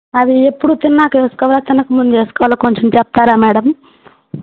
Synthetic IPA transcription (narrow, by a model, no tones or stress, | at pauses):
ɐd̪iepːuɽut̪inɐnaːkt͡ʃe̞ːsu̥kɔʋaːlat̪inɐkumund̪ud͡ʒe̞ːsu̥kɔːʋalakoɲt͡ʃemt͡ʃɛpɐt̪aːɾaːmɛːɽɐm